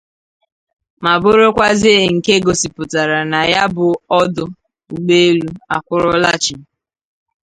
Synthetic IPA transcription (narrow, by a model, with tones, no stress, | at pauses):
ma˨bʊ˦ɾo˦kʷa˦zi˦e˨ŋ̩˨ke˦ɡo˨si˨pʊ˨ta˨ɾa˨na˨ja˦bʊ˨ɔ˦dʊ˨ | u˨ɡ͡be˦e˦lu˦a˦˨kʷʊ˦ɾʊ˦la˦t͡ʃɪ˨